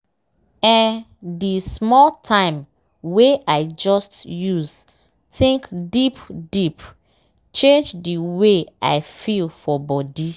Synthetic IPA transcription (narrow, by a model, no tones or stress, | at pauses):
ɛ̃n | dismɔltʰãɪ̃m | weʔaɪd͡ʒɔstjuz | tĩŋkdipdip | t͡ʃẽnd͡ʒdiweʔa̰ɪfilfɔbɔdi